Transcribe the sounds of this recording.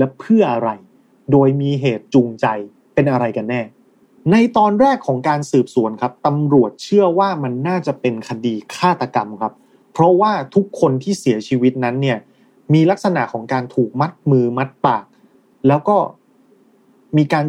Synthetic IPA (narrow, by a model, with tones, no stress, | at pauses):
lɛ˦˥pʰɯ˥˩ɐʔa˧ɾa˧j | doː˧jmiː˧ɦeː˨˩t̪̚t͡ɕu˧ŋt͡ɕa˧j | pe˧nʔa˧ɾa˧jka˧nːɛː˥˩ | na˧jt̪ɔː˧nɾɛː˥˩kʰːɔː˩˦ŋkaː˧nsɯː˨˩p̚su˩˦ənkʰa˦˥p̚t̪a˧mɾu˨˩ət̪̚t͡ɕʰɯ˥˩ɐwaː˥˩ma˧nːaː˥˩t͡ɕa˨˩pe˧nkʰa˧diː˧kʰaː˥˩t̪a˧ka˧mkʰa˦˥p̚ʰ | ɾɔ˦˥waː˥˩t̪ʰu˦˥kʰːo˧nt̪ʰiː˥˩si˨˩˦ɐt͡ɕʰiː˧wi˦˥t̪̚na˦˥nːi˥˩ɐ | miː˧la˦˥k̚sa˧na̰˨˩ʔkʰɔː˩˦ŋkaː˧nt̪ʰuː˨˩k̚ma˦˥t̪̚mɯː˧ma˦˥t̪̚paː˨˩k̚ | lɛː˦˥wkɔː˥˩ | miː˧kaː˧n